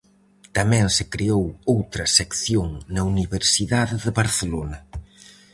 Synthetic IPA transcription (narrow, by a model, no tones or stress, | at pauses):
t̪ɐmɛ̃ŋsɪkɾeowowt̪ɾɐsekθjoŋnɐuniβeɾsiðaðɪðɪβɐɾθelonɐ